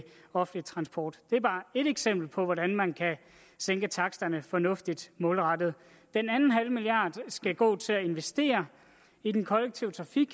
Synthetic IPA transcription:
ɒ̽fn̩lit͡sʰʁɑ̈nsb̥ɒ̰ːd̥d̥e̝æɐb̥ɑ̈ːe̝ɾeɡ̥sem̰b̥l̩pʰɒ̽ʋɒɾænmænkʰæ | seŋɡ̥ət͡sʰɑ̈ɡ̥sd̥ɐnəfɒ̽nɔ̽fd̥id̥mɔ̽ːlʁɑ̈d̥ð̞̩ˠ | d̥enænn̩ɦælmiliɑ̰̈ːd̥sɡ̥æɡ̥ɔ̰̽ːt͡sʰe̝læe̝nʋesd̥e̝̰ːɐ | id̥enkʰɒ̽leɡ̥̚t͡sʰiʊt͡sʰʁɑ̈fiɡ̥

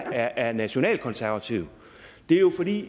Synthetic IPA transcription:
æɐʔæɐnæɕo̝nɛ̰ːld̥̚kʰɒ̽nsæɐʋæt͡sʰḭʊ | d̥e̝æjo̝fɒd̥ḭː

